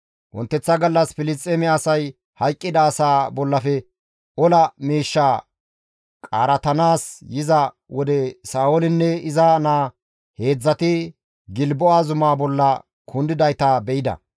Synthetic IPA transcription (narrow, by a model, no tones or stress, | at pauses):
wʔɔ̰nt̪ːɛt͡sːɐɡɐlːɐsfɪlɪt͡sʼːemɛɐsɐj | hɐjkʼːɪd̪aːsaːbɔlːɐfɛ | ʔɔlɐmiːʃːaː | kʼa̰ːɾɐt̪ɐnaːsjɪzɐ | wɔd̪ɛsaːwolɪnːɛɪzɐnaː | he̞ːd͡zːɐt̪ɪ | ɡɪlbɔaːzʊmaːbɔlːɐ | kʰʊnd̪ɪd̪ɐjt̪abɛʔɪd̪ɐ̰